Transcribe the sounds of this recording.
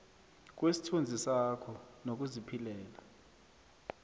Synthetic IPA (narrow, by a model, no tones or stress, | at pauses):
k̬wesi̥tʰund͡zʱisakʰɔnok̬ʼuzipʰilɛːla